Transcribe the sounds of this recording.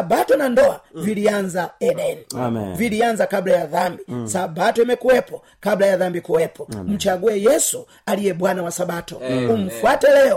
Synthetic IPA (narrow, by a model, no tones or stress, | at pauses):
sabatɔnandɔavilianzaɛnɛnivilianzakablajaðambisabatɔɛmɛkuwɛpɔ | kablajaðambikuwɛpʰɔm̩t͡ʃaɡuɛjɛsu | alijɛɓwanawasaɓatɔum̩fwatɛlɛɔ